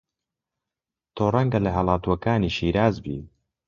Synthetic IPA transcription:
t̪ʰoːrɐŋɡɐlɐɦɐlˠaːt̪uwɐkaːniːʃiːɾaːzbḭː

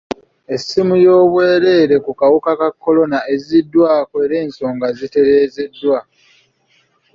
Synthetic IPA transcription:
e̞sːimujo̞ːβwe̞ːɾe̞ːɾe̞kukawukakakːo̞lo̞nae̞zidːwaːkoeɾe̞ːnso̞ːŋɡazite̞ɾe̞ːze̞dːwa

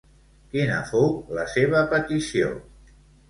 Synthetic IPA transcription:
kinə̰fowləseβ̞əpət̪isio̰

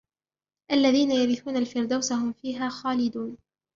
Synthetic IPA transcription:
ʔalːaðiːnajabɪθuːnalfɪɾd̪awsaɦʊmfiːɦaːxaːlɪd̪uːn

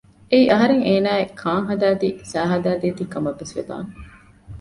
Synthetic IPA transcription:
eiʔɐɦɐɾeŋeːnæːekʰaːŋɦɐd̪æːd̪isæːɦɐd̪æːd̪eːt̪ikɐmɐʋːesʋḛd̪a̰ːŋ

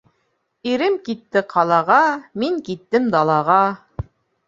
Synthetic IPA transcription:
iɾɘmkit̪ːɘqʰɑlˠɑʁɑmiŋkit̪ːɘmd̪ɑlˠɑʁɑ

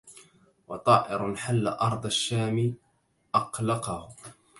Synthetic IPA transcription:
wɑt̪ˤɑːʔɪɾnħalːa̰ʔɑɾˤd̪ˤaʃːaːmi | ʔɑqlɑqɑhʊ

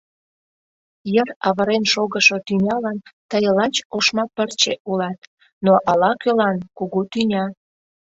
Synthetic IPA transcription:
jərɑβəɾenʃoɣəʃot̪ynʲɑlɑnt̪əjəlɑt͡ɕoʃmɑpərt͡ɕeʔulɑt̪ | noʔɑlɑkølɑnkuɣut̪ynʲɑ

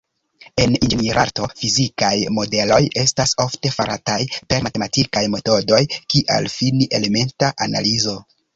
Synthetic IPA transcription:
e̞nineɾʔa̰ɾto̞fizikajmo̞de̞lo̞je̞staso̞fte̞faɾʔatajpe̞ɾmate̞matikajme̞to̞do̞jkiʔa̰lfiniʔe̞le̞me̞ntaʔana̰lizo̞

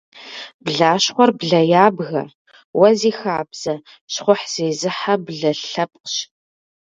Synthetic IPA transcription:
b̥ɮaːʃχʷɔrbɮɐjaːbɣɐ̰r | wɐziːxaːbz̥ɐ | ɕχʷʊħz̥eːzɨħabɮɐɬɐp̚ʼqɕ

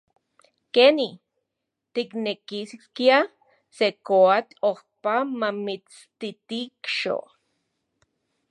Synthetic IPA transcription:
keni | t̪iknekiskkja | sekoat̪oχpamamit͡s | t̪it̪ikʃo̰ʔ

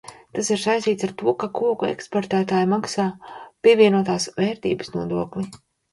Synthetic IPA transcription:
t̪asiɾsajst̪iːt̪saɾt̪uɔkakuɔkuɛ̰kspɔɾt̪æːt̪aːjmaksaːpiɛvʲiɛnuɔt̪aːsvɛːɾt̪ḭːbəsnuɔd̪uɔkli

